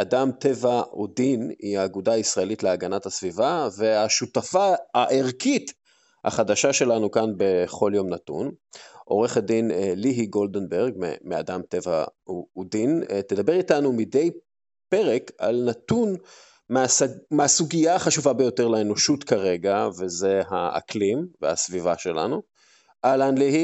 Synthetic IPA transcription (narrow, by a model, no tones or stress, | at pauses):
ʔadamt̪e̞vaud̪iniaːɡudaːisʁae̞litleaɡanathasvivave̞aʃut̪afaːʔeʁkʰit | ha̰χad̪aʃaʃe̞lanukanbe̞χo̞ljo̞mnatṵnʔo̞̰ʁe̞χad̪inliɦiɡo̞ld̪enbeʁɡmḛmea̰damt̪e̞va̰uːdint̪ed̪abe̞ʁitanumide̞j | peʁe̞ka̰lnat̪un | meameasuɡiaːχaʃuvabejo̞teʁlaeno̞ʃutkaʁe̞ɡave̞zeɦaa̰klimvḛha̰svivaʃe̞la̰nu | ʔalanlihi